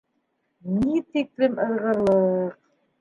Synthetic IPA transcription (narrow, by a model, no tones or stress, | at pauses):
nit̪ik̚lɘmɤ̆ðʁɤ̆lˠɤwɾ